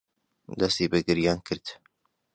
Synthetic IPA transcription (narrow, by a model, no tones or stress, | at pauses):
d̪ɐst̪ibɨɡɨɾjaːnkʰɨɾd̪̥